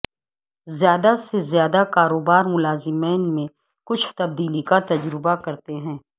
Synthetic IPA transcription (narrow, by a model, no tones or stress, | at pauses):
zjaːd̪asezjaːd̪akaːɾoːbaːɾmʊlaːzɪmeːnmẽ | kʊt͡ʃʰt̪ɐb̚d̪iːlikat̪ɐd͡ʒɾɪbakɐɾt̪eɦɛ̃ː